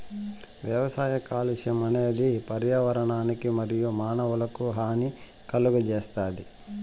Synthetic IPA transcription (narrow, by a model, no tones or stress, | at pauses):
ʋjɐʋɐsaːjɐkaːliʃɐmɐneɐd̪ipɐɾjaʋɐɾɐɳaːnikimɐɾijumaːnɐʋɐlɐkuɦaːni | kɐluɡud͡ʒeːst̪aːd̪i